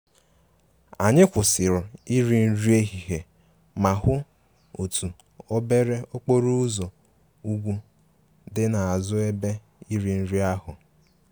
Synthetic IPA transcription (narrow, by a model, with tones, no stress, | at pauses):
a˨ɲɪ˦kʷʊ˨sɪ˨ɾʊ˨i˦ɾi˨n̩˦ɾi˦e˦ɦi˨ɦe˨ | ma˨ɦʊ˦ | o˨tu˨ | o˦be˦ɾe˦o˦k͡po˦ɾu˦ʊ˦zo˨ | u˦ɡʷu˦ | dɪ˦na˨a˨zʊ˦e˦be˦ | i˦ɾi˨n̩˦ɾi˦a˦ɦʊ˨